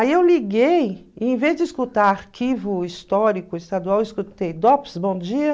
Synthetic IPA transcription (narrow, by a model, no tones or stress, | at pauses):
aiewliɡejẽvezd͡ʒɪiskut̪aɾaɾkʰivʊist̪ɔɾikʊist̪ad̪uawɪskut̪ejd̪ɔpsbõd͡ʒiɐ